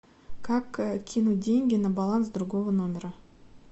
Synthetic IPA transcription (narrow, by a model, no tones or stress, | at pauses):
kʰakkʲʰːinud̪ʲeŋɡʲenɪbalˠansd̪ɾɡovənomʲeɾə